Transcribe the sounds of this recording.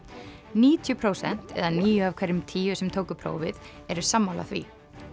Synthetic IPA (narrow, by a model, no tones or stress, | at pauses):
niːt̪ʰjʏpʰɾoːwsɛ̰n̥t̪ɛ̰ðaniːjʏavkʰvɛɾɪmt̪ʰiːʏsɛmt̪ʰoːwkʏpʰɾo̰ːwvɪð | ɛɾʏ̥samːawla̰θvḭ